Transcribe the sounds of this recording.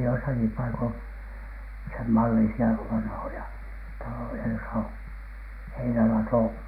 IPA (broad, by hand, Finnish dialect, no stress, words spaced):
joisɑki pɑikon semːɑlːisiɑ ʋɑnhojɑ tɑlojɑ josɑ o heinælɑtoˑ